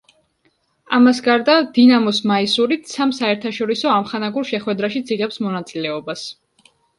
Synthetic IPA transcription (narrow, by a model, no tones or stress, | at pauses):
amasɡaɾd̪ad̪̥inamɔsmaisuɾit̪samsaɛɾt̪ʰaʃɔɾisɔamχanaɡuɾʃɛχwɛd̪ɾaʃid̪zʰiʁɛpsmɔnat̪sʼilɛɔbas